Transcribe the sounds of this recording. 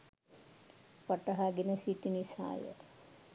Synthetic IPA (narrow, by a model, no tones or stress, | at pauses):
pɐʈɐɦaɡinəsiʈinisa̰ːjə̰